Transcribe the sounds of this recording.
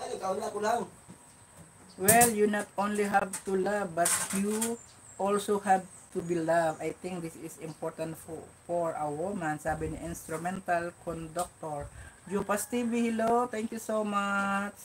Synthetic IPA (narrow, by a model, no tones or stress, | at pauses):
ajk̪aʊnakʊlaŋ | wɛljunɐt̪ʔonliɦab̚t̪ulavbɐt̪ju | ʔɔlsohɛb̚t̪ubilavʔajt̪ɪ̃ŋk̚d̪ɪsɪsɪ̃mpɔɹt̪ãnt̪ffɔɹʔawomãnsabiniʔɪ̃nst̪ɾʊmɛnt̪alkʰɔnd̪ɔk̚t̪ɔɹd͡ʒupast̪ivihilot̪ɛ̃ŋkjusomat͡ʃ